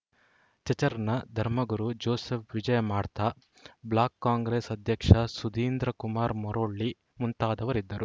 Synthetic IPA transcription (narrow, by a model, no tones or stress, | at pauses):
t͡ʃɐt͡ʃɐɾɐnɐd̪ʱɐɾmɐɡuɾud͡ʒoːseːpʰʋid͡ʒɐjɐmaːɽt̪aː | blaːkːaːŋɡɾeːsɐd̪ʱjɐkʂɐsud̪iːnd̪ɾɐkumaːɾmɔɾoːɭːi | munt̪aːd̪ɐʋɐɾid̪ːɐɾu